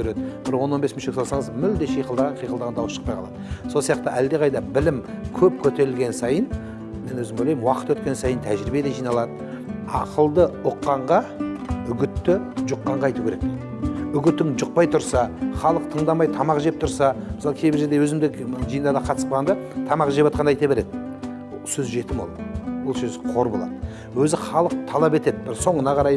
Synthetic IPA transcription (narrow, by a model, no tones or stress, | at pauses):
eɾed̪ɪb̥ɪɾwo̞nːonbe̞sməʃekʲsolˠsɑɴəzmʏld̪e̞ʃijqəlˠd̪ɑʁɑɴqʰijqəlˠd̪ɑʁɑnd̪ɑwəsʃə̥qpɑjqʰɑlˠɑ̰d̪əso̞lˠsijɑq̚t̪əʔæld̪e̞ʁɑjd̪ɑbɪlɪmkʲʰɵp̚kʲʰɵt̪e̞ɾɪlɡʲe̞nsɑjən | me̞nwɵzɪmojlʲejɪmwɑqət̪wɵt̪̚kʲe̞nsɑjənt̪ʰæʒɾibe̞d̪e̞ʒijnɑlˠɑd̪ə | ɑ̰qəlˠd̪əʊqːɑɴʁɑʏɡʲɪt̪ːɪʒʊqːɑɴʁɑɑjt̪ukʲeɾek̚ | ʏɡʲɪt̪ɪŋʒʊq̚pɑjt̪ʰʊɾsɑχɑlˠəq̚t̪ʰəɴd̪ɑmɑjt̪ʰɑmɑqʒep̚t̪ʰʊɾsɑmɪsɑlˠkʲʰe̞jbɪɾʒe̞ɾd̪e̞wɵzɪmd̪ɪkʒijənd̪ɑd̪ɑqʰɑt̪əspɑʁɑnd̪ɑt̪ʰɑmɑqʒepwɑt̪qɑnd̪ɑjt̪ɑbe̞ɾe̞d̪ɪ | wosɵzʒe̞t̪ɪmwolˠwolˠsɵzqʰo̞ɾbolˠɑ̰d̪ə | wɵzɪχɑlˠəq̚t̪ʰɑlˠɑpe̞t̪e̞d̪bɪɾso̞ɴənɑʁʰɑɾɑj